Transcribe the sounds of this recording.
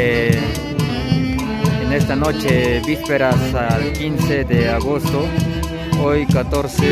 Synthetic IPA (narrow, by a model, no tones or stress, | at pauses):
enest̪anot͡ʃebispeɾasalkinsed̪eaɣost̪o | ojkat̪oɾse